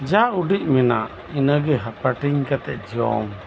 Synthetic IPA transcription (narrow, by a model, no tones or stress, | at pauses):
d͡ʒauɖic̚mɛna̰ʔ | inəɡɛɦapaʈiɲkat̪ɛʔ̚d͡ʒiɔ̰m